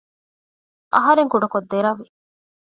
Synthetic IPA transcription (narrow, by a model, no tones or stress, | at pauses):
ʔɐ̰ɦɐɾeŋkuɖɐkod̪ːeɾɐʋːi